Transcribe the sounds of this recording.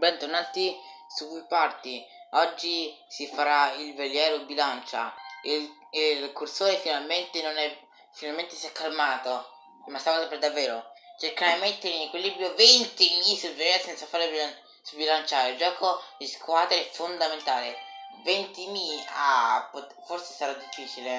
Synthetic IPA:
bɛnt̪ornaːt̪isukːujpart̪iɔd͡ʒːi | sifaɾailveljɛːɾoibilant͡ʃa̰il | ilkursoːɾefinalment̪enonɛ | finalment̪esiɛkːalmaːt̪o | mast̪avaat̪apɛɾd̪avːɛːɾot͡ʃerkeɾaimet̪ːeɾeinnekwilːibɾjovent̪imisulveljɛːɾosɛnt̪safaːɾebia | subilant͡ʃaːɾeld͡ʒɔːkʰod̪iskwaːd̪ɾeɛfond̪ament̪aːlevent̪imia̰po | forse̥saɾad̪ifːiːt͡ʃile

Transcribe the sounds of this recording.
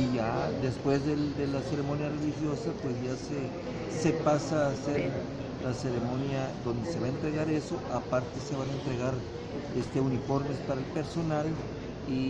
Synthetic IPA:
iʝad̪e̞spwe̞zðeld̪elase̞ɾe̞mo̞njare̞lixjo̞sapwe̞sʝase | se̞pasaːse̞ɾ | lase̞ɾemõ̞njad̪o̞nd̪e̞se̞βaent̪ɾe̞ɣaɾe̞so̞ʔapaɾt̪e̞se̞βanaent̪ɾe̞ɣaɾ | est̪eunifo̞ɾme̞spaɾaelpe̞ɾso̞nal | i

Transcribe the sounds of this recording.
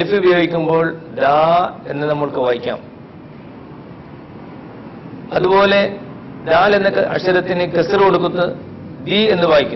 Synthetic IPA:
ɐlfiubɐjoːɡikʲːumbo̞ːɭd̪aːe̞nːɨnɐmːɐɭkɨʋaːjikʲːa̰ːm | ɐðubo̞ːle̞ | d̪aːlenːɐɐ̰ɕɐɾɐt̪ːinɨkesɐrkoɽukːut̪ːɨ | d̪ie̞nːɨʋaːjikʲːu

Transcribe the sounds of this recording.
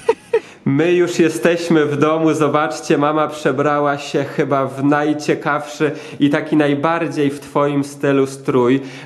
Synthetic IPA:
mɘjuʂjɛst̪ɛɕmɘvd̪ɔmuzɔbat͡ʂt͡ɕɛmamapʂɛbɾawaɕɛxɘbavnajt͡ɕɛkafʂɘ | it̪akʲinajbaɾd͡ʑejft̪fɔjimst̪ɘlust̪ɾuj

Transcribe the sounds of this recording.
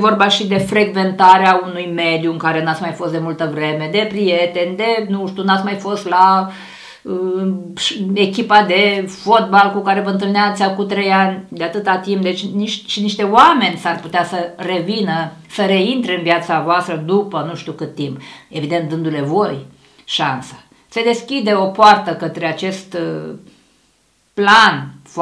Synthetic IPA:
vo̞rbaʃid̪e̞fɾe̞ɡve̞nt̪aɾeaunujme̞d̪juɨŋkaɾe̞nat̪sʲmajfo̞st̪d̪e̞mult̪əvɾe̞me̞d̪e̞pɾije̞t̪e̞nʲd̪e̞nuʃt̪unat̪smajfo̞st̪la | əʃekʲipad̪e̞fo̞t̪̚balkukaɾe̞vəɨnt̪̬ɨlneat̪sʲakut̪ɾe̞janʲd̪eat̪ɨt̪at̪imp̚d̪e̞t͡ʃʲniʃt̪ʃiniʃt̪e̞oame̞nʲsarput̪easəre̞vinəsəɾe̞int̪ɾeɨnvjat̪savoast̪ɾəd̪upənuʃt̪iukɨt̪ːimpe̞vid̪ent̪d̪ɨnd̪ule̞vo̞j | ʃansḁ | se̞d̪e̞skʲid̪e̞o̞poart̪əkət̪ɾeat͡ʃe̞st̪ | planf

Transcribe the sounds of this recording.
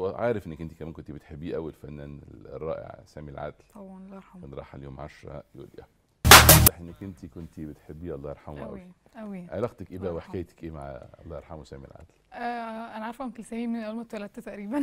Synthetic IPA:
wʕɑ̰ːɾefʔenːækʔent̪ikæmæːnkont̪ibet̪ħebːiːʔæwːælfænːænḛlrˤːɑ̰ːʔḛʕsæːmilʕa̰d̪l | enɾˤɑ̰ːħaljoːmʕaʃɾˤɑ̰jṵːlʔæ̰ | ɑˤɑħʔenːækʔent̪ikont̪ibet̪ħebːiːʔɑlˤːɑːʔeɾˤħamʔʔʔæ̰wiʔæwiʕelːæqt̪ækʔeːbæweħkæːjt̪æ̥kʔeːma̰ʕɑ̰lˤːɑːʔeɾˤħamwsæːmiḛlʕa̰d̪lʔæʔænaʕɑɾˤfæmt̪elsæhiminʔælmot̪wælæt̪ːæt̪æʔɾiːbæn

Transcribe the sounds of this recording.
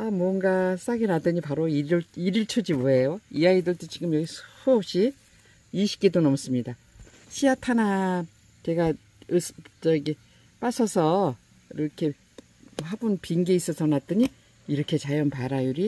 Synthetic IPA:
amwʌnɡas͈aɡinadɯɲipaɾoiɾɭiɾiɭt͡ɕʰud͡ʑimoejoijaɡidɯɭt͈ɯt͡ɕiɡɯmjʌɡisʰuop̚ɕ͈i | iɕʰi̥k͈idonʌms͈ɯmɲida | ɕʰiatʰana | t͡ɕe̞ɡa | ɯst͡ɕʌɡi | p͈asʰʌsʰʌ | iɾʌkʰe̞ | habunpiŋɡeis͈ʌsʰʌnat͈ɯɲi | iɾʌkʰe̞t͡ɕajʌnpaɾajuɾi

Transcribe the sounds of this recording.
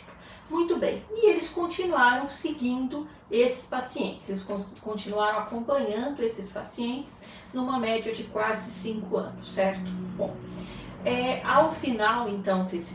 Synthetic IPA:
k | mũj̃t̪ʊbḛ̃j̃ɪelɪskõnt͡ʃinuaɾɐ̃w̃sɪɡĩnd̪ʊ | esɪ̥spasiẽnt̪ɪ̥selɪsõkõnt͡ʃinuaɾɐ̃w̃akõpɐ̃ɲɐ̃nd̪ʊesɪspasiẽnt͡ʃ̪ɪ̥s | nũmɐmɛd͡ʒiɐd͡ʒɪkwazɪsĩŋkʊɐ̰̃nʊsːɛɾt̪ʊ̥bõ̰w̃ | ɛawfinawẽnt̪ɐ̃w̃t̪esɪ

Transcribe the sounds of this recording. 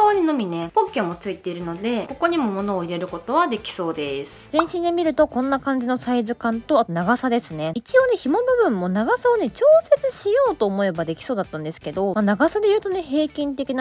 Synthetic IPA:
oːɲ̟ino̞mʲinepokʲːemːo̞t͡sɨit̪e̞iɾɯ̟no̞d̪e̞ko̞ko̞ɲ̟imo̞mo̞no̞ːiɾe̞ɾɯ̟ko̞t̪o̞βad̪e̞kʲi̥so̞ːd̪e̞sɨ̥z̥ẽ̞ɕĩnd̪emʲiɾɯ̟t̪o̞kõ̞nːakãɲ̟d͡ʑino̞saizɨkãnt̪o̞at̪onaɡasad̪e̞sɨne̞it͡ɕijoːne̞çimo̞no̞bɯ̟̃mːo̞naɡasaone̞t͡ɕo̞ːse̞t͡sɨɕijo̞ːt̪o̞ːmo̞e̞bad̪e̞kʲi̥soːd̪at̪ːãnd̪e̞sɨ̥ke̞d̪o̞manaɡasad̪e̞jɯ̟ːt̪o̞ne̞ɦe̞ːkʲĩnt̪e̞kʲina

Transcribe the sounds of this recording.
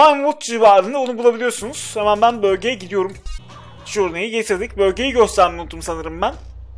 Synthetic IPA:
ajmvut̪d͡ʒivaːɾɯnɯbunubulˠabilʲijo̞ɾsunuz̥hemænbænbø̞lʲɟe̞jɛɟid̪ijo̞ɾum | ʃuːɾnajiɟe̞t̪ʰiɾd̪icbø̞lʲɟe̞jiɟøst̪ʰæɾmiunut̪ːumsanɯɾɯmbæn

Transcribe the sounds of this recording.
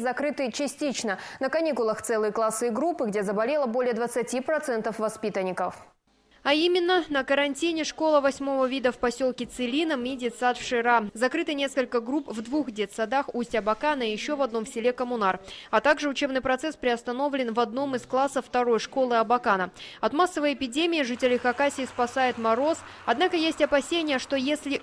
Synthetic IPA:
zɐkɾɨt̪ɨt͡ɕɪsʲtʲit͡ɕnənəkɐnʲikʊlˠəxt̪sɛlˠɨjəklˠasːɨɡɾupːɨɡdʲezəbɐlʲelˠəbolʲɪjəd̪vət̪sɨtʲipɾɐt̪sɛnt̪əfvɐspʲit̪ənʲɪkəf | ɐimʲɪnːənəkəɾɐnʲtʲinʲɪʂko̞lˠəvɐsʲmo̞vəvʲid̪əfpɐsʲo̞lˠkʲɪt̪sɨlʲinəmʲidʲet̪sat̪fʂɨɾazɐkɾɨt̪ɨnʲe̞skəlʲkəɡɾupvd̪vuxdʲet̪sɐd̪axusʲtʲɐbɐkanəijɪɕːo̞vɐd̪̚no̞mfsʲɪlʲe̞kəmʊnarɐt̪aɡʐɨʊt͡ɕe̞bnɨjpɾɐt̪sɛspɾʲɪɐst̪ɐno̞vlʲɪnvɐd̪no̞mɨsklˠasːəfːt̪ɐɾo̞jʂko̞lˠɨɐbɐkanəɐt̪masːəvəjɪpʲɪdʲemʲɪɪʐɨtʲɪlʲɪxɐkasʲɪːspɐsajɪt̪mɐɾo̞s | ɐd̪nakəjesʲtʲɐpɐsʲenʲɪjəʂt̪o̞jesʲlʲɪ

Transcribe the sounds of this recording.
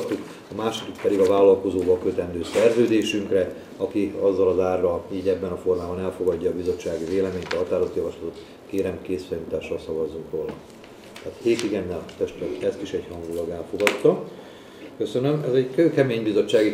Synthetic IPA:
t̪ːuk | ɒmaːʃit̪ikpɛd̪iɡɒvaːlːɒlko̞zoːvɒlkøt̪ɛnd̪øːsɛrzøːd̪eːʃyŋkrɛ | ɒkiɒzːɒlɒzaːrːɒliːɟɛbːɛnɒfo̞rmaːbɒnɛlfo̞ɡɒɟːɒːbizo̞t͡ʃːaːɡiveːlɛmeːɲt̪ɒɦɒt̪aːɾozot̪jɒvɒʃlɒt̪ot̪ | keːɾɛmkeːsfɛjmit̪aːʃːɒlsɒvɒzuŋkroːlɒ̰ | t̪aːt̪heːt̪iɡɛnːɛlt̪ɛʃt̪ɛt̪ɛst̪iʃɛɟhɒŋɡulɒɡɛlfo̞ɡɒt̪ːɒ | kø̞sønømɛzɛɟkøːkɛmeːɲbizo̞t͡ʃːaːɡi

